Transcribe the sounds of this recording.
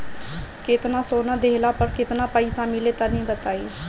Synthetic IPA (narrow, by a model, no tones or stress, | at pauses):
kɪt̪nãːsoːnãːd̪eːlaːpəɾkɪt̪naːpəiːsaːmɪleːt̪ãːnĩːbət̪aːiː